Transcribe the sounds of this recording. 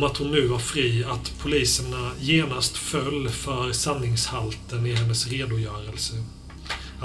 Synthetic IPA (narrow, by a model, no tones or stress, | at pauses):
mat̪hʊnːʉ̟ːvaɾfɾiːat̪pʰʊliːsəɳajeːnast̪fœlːfœɾsanːɪŋshalt̪ənɪɦɛnːəsɾeːd̪ʊjœːɾəlsə